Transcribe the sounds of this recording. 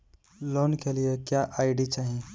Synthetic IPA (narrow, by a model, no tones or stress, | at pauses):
lonkeliekjaʔaɪɖit͡ʃaːɦĩ